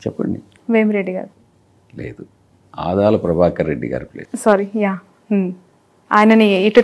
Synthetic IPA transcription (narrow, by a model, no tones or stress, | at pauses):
t͡ʃɛpːɐɳɖi | ʋeːmɾeɖːiɡa̰ːɾu | leːd̪u | a̰ːd̪aːlɐpɾɐbʱaːkɐɾeɖːḭɡa̰ːɾuplḛːsaːɾijaː | aːjinɐniiʈu